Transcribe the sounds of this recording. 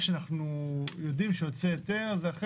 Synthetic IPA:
ʃeanaχnujo̞d̪imʃejot͡sejot̪e̞ʁazaχ

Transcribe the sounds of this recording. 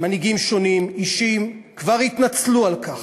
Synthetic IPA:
maniɡimʃo̞nimiʃim | kvaʁhit̪nat͡slualkaχ

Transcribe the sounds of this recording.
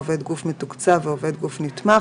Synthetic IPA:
vɛd̪ɡufmetukt͡saveovɛd̪ɡufnit̪ma

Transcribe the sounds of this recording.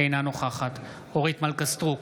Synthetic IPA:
ejnano̞χaχat̪ | oʁit̪malkast̪ʁuk

